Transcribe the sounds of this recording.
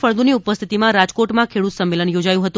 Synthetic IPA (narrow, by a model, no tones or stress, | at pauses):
fəɭd̪uniupəst̪ʰit̪imãɾad͡ʒkoʈmãkʰeɽut̪səmːelənjod͡ʒajũɦət̪ũ